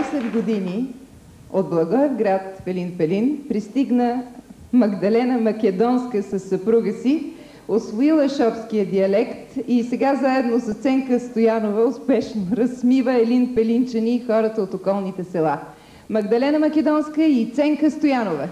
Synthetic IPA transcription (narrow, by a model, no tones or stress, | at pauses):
sɛd̪ɡod̪ini | od̪̚blˠɐɡɔɛvɡɾat̪fɛlinpɛlinpɾist̪iɡnəmɐɡd̪ɐlɛnəmɐkɛd̪ɔnskəsɐsːɐpɾuɡəsi | osvoilˠəʃɔpskijəd̪iɐlɛkt̪isɛɡazaɛd̪nosɐst̪sɛŋkəst̪ojanovəʊspɛʃnoɾɐsmivəɛlinpɛlint͡ʃənixɔɾət̪əot̪okɔlˠnit̪ɛsɛlˠa | mɐɡd̪ɐlɛnəmɐkɛd̪ɔnskəit̪sɛŋkəst̪ojanovə